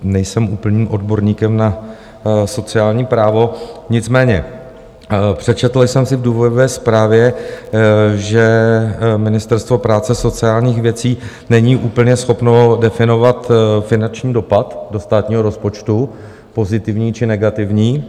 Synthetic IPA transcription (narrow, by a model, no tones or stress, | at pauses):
nɛjsɛmuːpl̩ɲiːmʔo̞dbo̞ɾɲiːkɛmna | so̞t͡sɪaːlɲiːpɾaːvo̞ɲɪt͡smɛːɲɛ | pr̥ɛt͡ʃɛt̪l̩sɛmsɪvduːvo̞dovɛːspɾaːvjɛ | ʒɛ | mɪnɪst̪ɛɾst̪vo̞pɾaːt͡sɛso̞t͡sɪaːlɲiːxvjɛt͡siː | nɛɲiːʔuːpl̩ɲɛsxo̞pno̞dɛfɪno̞vat̪fɪnant͡ʃɲiːdo̞pat̪do̞st̪aːt̪ɲiːɦo̞ɾo̞spo̞t͡ʃt̪u | po̞zɪt̪ɪvɲiːt͡ʃɪnɛɡat̪ɪvɲiː